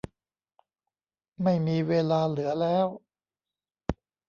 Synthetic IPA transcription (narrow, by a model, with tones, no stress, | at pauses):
ma˥˩jmiː˧weː˧laː˧lɯ˩˦ɐlɛː˦˥w